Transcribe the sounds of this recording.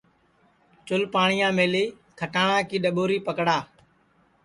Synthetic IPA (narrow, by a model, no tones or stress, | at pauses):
t͡ʃʊlpaːɳɪjãːmeːliː | kʰəʈaːɳãːkiːɗəɓoːɾiːpəkɽaː